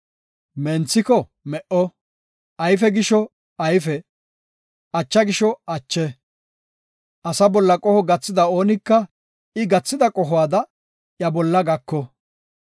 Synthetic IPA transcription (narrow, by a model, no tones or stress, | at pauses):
mɛnt͡sːɪkɔ | mɛʔɔ | ɐjfɛɡɪʃɔ | ɐjfɛ | ɐt͡ʃːɐɡɪʃɔɐt͡ʃːɛ | ʔɐsɐbɔlːɐkʼɔhɔɡɐt͡sːɪd̪ɐo̞ːnɪkːɐ | ɪɡɐt͡sːɪd̪ɐkʼɔɦɔwaːd̪ɐ | jɐbɔlːɐɡɐkːɔ